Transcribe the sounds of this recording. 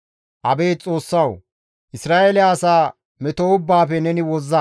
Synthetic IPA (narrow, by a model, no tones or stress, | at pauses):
ʔɐbeːt͡sʼo̞ːsːɐw | ʔɪsɾaːʔelɪaːsaː | mɛt̪oʊbːaːfɛnɛnɪwɔzːɐ